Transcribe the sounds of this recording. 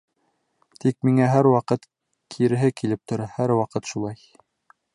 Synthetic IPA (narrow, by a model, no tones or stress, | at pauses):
t̪ik̚miŋæɦæɾwɑqɤt̪ | kʰiɾɘ̆ɦɘkilɘp̚t̪ŏɾɑhæɾwɑqɤt̪ʃulˠɑj